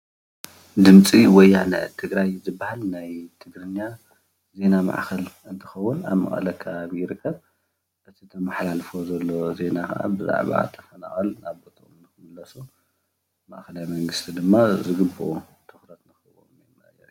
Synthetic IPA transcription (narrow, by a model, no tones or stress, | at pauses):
d̪ɨmt͡sʼiwɔjːanɐ̰ʔt̪ʰɨɡɾajzɨbːahalnajt̪ʰɨɡɾɨɲːa | ze̞nama̰ʕkʰɐlɨnt̪ʰɨ̥xɐwːʊna̰βmɐ̰χʼɐ̰lɐkʰːɐβaβjɪɾɨkʰːɐβ | ʔɨt̪ʰit̪ʰɐmaħlalfo̞zɐlːo̞ze̞nakɐ̰ʔa̰bɨza̰ʕβa̰t̪ʰɐfɐna̰χʼɐlnaβbot̪ʰɐomnɨxɨmɨlːɐsu | ma̰ʔkɐlajmɐŋɡɨst̪ʰid̪ɨmːazɨɡɨbːɨʔu | t̪ʰɨxɾɐt̪nɨxɨβo̰mjemːɐjɐ̰ɾ